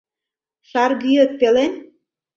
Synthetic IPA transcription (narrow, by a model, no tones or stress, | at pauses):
ʃɑrɣyjə̆t̪̚pelen